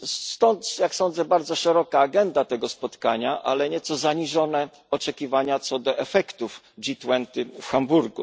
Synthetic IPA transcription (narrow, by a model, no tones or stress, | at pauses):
st̪ɔnt̪jaksɔnd̪zɛbaɾd̪zɔʂɛɾɔkaːɡɛnd̪at̪ɛɡɔspɔt̪kaɲaʔa̰lɛɲɛt̪sɔzaɲiʐɔnɛ | ɔt͡ʂɛkʲivaɲat̪sɔd̪ɔʔɛfɛkt̪uf | d͡ʑit̪wɛnt̪ɘfxambuɾɡṵ